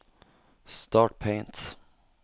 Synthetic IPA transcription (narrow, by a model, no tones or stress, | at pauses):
st̪ɑːʈ̚pʰɛ̃ɪ̃nt̪